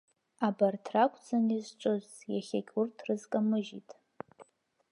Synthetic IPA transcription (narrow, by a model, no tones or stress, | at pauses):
abartʰrakʷʼʰd͡zanizʈ͡ʂʷʼozjaχʲakʲʼurtʰrɨzkʼamɨʒitʼ